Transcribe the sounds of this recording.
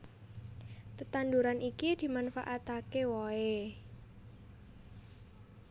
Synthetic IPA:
t̪ət̪and̪uɾanʔikid̪̥i̤manfaʔat̪akewɔe

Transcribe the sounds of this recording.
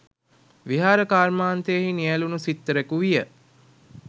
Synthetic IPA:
ʋiɦaːɾəkaːrmaːnt̪ejəɦinijælunusit̪ːəɾekuʋijə

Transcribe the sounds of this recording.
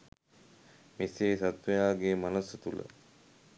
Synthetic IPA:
miseːsat̪ʋejaːɡeːmanəsət̪ulə̰

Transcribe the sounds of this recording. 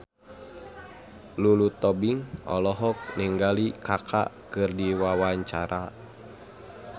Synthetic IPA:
lulut̪ɔbiŋʔɔ̰lɔɦɔk̚niŋɡalikakʰa̰kɨrdiwawaɲt͡ʃaɾʔa

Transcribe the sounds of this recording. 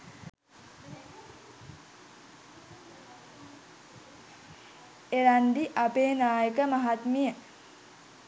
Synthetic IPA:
eɾand̪iʔapeːnaːjəkəmaɦat̪mijə

